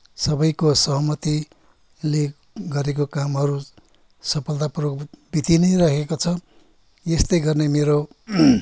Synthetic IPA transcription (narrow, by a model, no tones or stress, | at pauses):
sʌbʌjkosʌɦʌmʌt̪i | le | ɡʌɾekokamɦʌɾu | sʌpʰʌlt̪apuroɡ̚bit̪inʌjrakʰekot͡sʰʌ | jest̪ʌjɡʌrnemeɾo